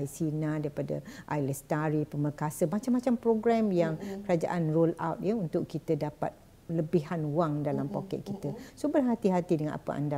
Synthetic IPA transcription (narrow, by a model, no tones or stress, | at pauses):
jsinãdaɾipada̰ʔajləst̪aɾipəməkasəmat͡ʃamːat͡ʃampɾoɡɾamjaŋkəɾad͡ʒa̰ʔanrola̰wt̪̚jəunt̪ʊkkːit̪ədapa̰t̪̚ | ləbiɦanwaŋdalampokɛ̰t̪̚kit̪əsobərɦat̪iɦat̪idəŋanʔa̰pə̰ʔa̰nda